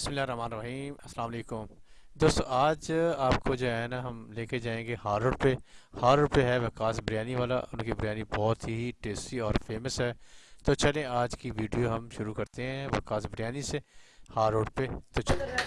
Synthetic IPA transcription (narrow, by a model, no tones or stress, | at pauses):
bɪsmɪlːaːɾɐɦmaːnɾɐɦiːmɐslaːmɐleːkʊm | d̪oːst̪õaːd͡ʒaːpkod͡ʒoːɛnaɦɐmleːked͡ʒaːẽːɡehaːɾoːɽpehaːɾoːɽpeɦɛʋɐkaːsbəɾjaːniʋaːla̰ʔʊ̰nkibɐɾjaːnibɔːt̪ɦiʈeːsiɔːɾfeːməsɦɛːt̪ot͡ʃɐlẽaːd͡ʒkiʋiːɖijoɦɐmʃʊɾukɐɾt̪eɦɛ̃ʋɐ̰kaːsbɐɾjaːnisehaːɾoːɽpet̪ot͡ʃɐl